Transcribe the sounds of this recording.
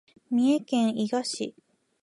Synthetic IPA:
mʲiekẽ̞ɰ̃iɡaɕḭ

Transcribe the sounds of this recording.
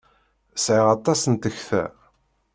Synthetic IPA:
sʕiʁɑt̪ˤːɑsənt̪əçθæ̰

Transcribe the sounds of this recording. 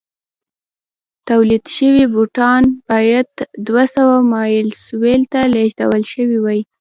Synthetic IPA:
t̪awlid̪ʃəwibuʈɑnb̥ɑjad̪d̪wasawamɑjɪlswelt̪aleʒd̪a̰wəlʃəwiwaj

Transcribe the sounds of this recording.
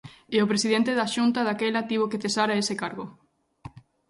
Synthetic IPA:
eopɾesið̞ent̪eðaʃunt̪aðakɛlat̪iβ̞okeθesaɾaesekaɾɣo

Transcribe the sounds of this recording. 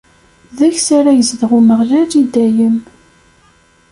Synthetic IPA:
ðæçsaɾajəzðəʁuməʁlælid̪æjəm

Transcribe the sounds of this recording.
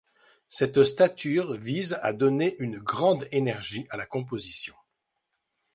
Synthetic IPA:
sɛt̪st̪at̪ʰyʁviza̰d̪ɔneʔynɡʁɑ̃d̪enɛʁʒiʔalakɔ̃p̬ozisjɔ̃

